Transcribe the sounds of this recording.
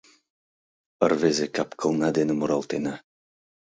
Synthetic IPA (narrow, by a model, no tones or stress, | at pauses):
ərvezekapkɤ̆lˠnɑd̪enɘ̆muɾɑlˠt̪enɑ